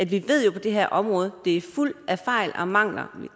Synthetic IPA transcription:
æd̥ʋiʋe̝ð̞̰ˠjo̝pʰɒ̽d̥e̝ɦeɐ̰ʔɒ̽mʁɔ̽ːð̞̩ˠd̥e̝æɐfful̰æfɑ̈ɪlʔɒ̽mɑ̈ŋ̰lɐ̰

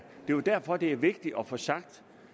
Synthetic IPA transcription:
d̥e̝jod̥æɐfɒ̽d̥e̝æɐʋe̝ɡ̥d̥iʔɒ̽fɒ̽sɑ̈ɡ̥̚d̥

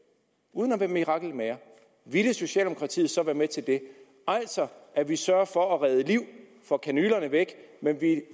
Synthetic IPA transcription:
uːð̞ˠənɒʋæɐmiʁɑ̈ɡ̥l̩meɐ | ʋiləso̝ɕɛ̰ːld̥emo̥kʰʁɑ̈t͡sʰḭːð̩ˠsɒ̽ʋæːɐmet͡sʰe̝ld̥e̝ | æl̰sɒ̽ʔæʋisɶɐfɒ̽æʁɛð̞ˠəliʊ̰ | fɒ̽kʰænyːlɐnəʋeɡ̥menʋi

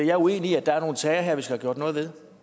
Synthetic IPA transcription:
ejɑ̈ɪue̝̰ːniæd̥ɑ̈æɐno̝ːn̩t͡sʰɛːɪɐɦeɐʋisɡ̥æhæɡ̥jo̝ɐd̥nɔ̽ːð̩ˠʋe̝ðˠ

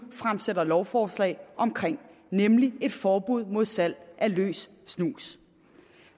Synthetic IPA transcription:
fʁamsedɐlɒʊfɒːslɛ̰ɪʔɒ̽mkʰʁeŋ̰ | nemlie̝d̥fɒːb̥uð̞̰ˠmo̝ð̞̰ˠsæl̰ʔælø̰ːsː | nuːs

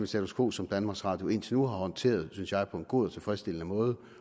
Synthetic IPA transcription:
mesæt͡sʰoskʰo̝̰ːb̥sɒ̽md̥ænmɑ̈ɡ̥sʁɑ̈d̥jo̝e̝nt͡sʰe̝nuɦɑ̈hɒ̽nt͡sʰe̝̰ːɐð̞̩ˠsynsjɑ̈ɪpʰɒ̽e̝nɡ̥o̝̰ːðˠɒt͡sʰe̝fʁɛsd̥e̝lənəmɔ̽ːð̞ˠə

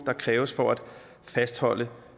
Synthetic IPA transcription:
d̥ɑ̈kʰʁɛːʊəsfɒæd̥ | fæsd̥hɒ̽l̰ə

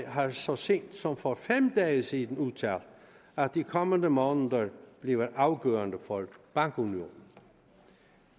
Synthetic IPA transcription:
ɦɑsɒ̽seːnd̥sɒ̽mfɒfemd̥ɛːəsid̥̪ən̩ut͡sʰæl | æd̥ikʰɒməndəmɔːnəðɐb̥leʋəʔɑ̈ʊɡ̥œ̰ːɐndəfɒb̥ɑ̈ŋɡ̥unio̝̰ːnn̩

